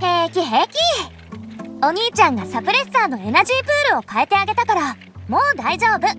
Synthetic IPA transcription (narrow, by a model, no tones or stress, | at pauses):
hekʲiɦeːkʲi | o̞ɲ̟iːt͡ɕãŋɡasapɯ̟ɾe̞saːno̞e̞naʑiːpɯ̟ːɾɯ̟o̞kae̞t̪e̞aɡe̞t̪akaɾa | mo̞ːd̪aiʑo̞ːbɯ̟